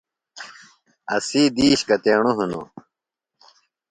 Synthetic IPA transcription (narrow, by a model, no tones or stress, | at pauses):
ɐsiːd̪iːɕkɐt̪eːɳuɦuno̰